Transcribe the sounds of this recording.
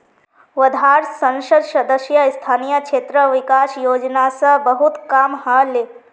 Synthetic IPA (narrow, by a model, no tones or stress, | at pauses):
ʋəd̪ʱɦaːɾsɐ̃nʃəd̪ʃɐd̪əʃjəɪst̪ʰaːnijəkʃeːt̪ɾəʋɪkaːsjoːd͡ʒnasɐbəɦut̪kaːmɦale